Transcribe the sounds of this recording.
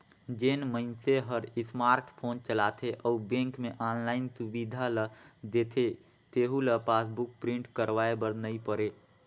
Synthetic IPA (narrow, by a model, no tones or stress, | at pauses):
d͡ʒenməɪnseɦəɾɪsmaːɾʈpʰoːnt͡ʃəlat̪ʰeʔɔubẽŋkmeʔaːnlaːɪnsubid̪ʱaləd̪et̪ʰe | t̪eɦuləpaːsbuk̚pɾĩɳʈkəɾʋaebəɾnəipəɾe